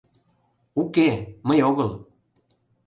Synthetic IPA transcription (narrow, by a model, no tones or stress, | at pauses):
ukeməjoɣɤl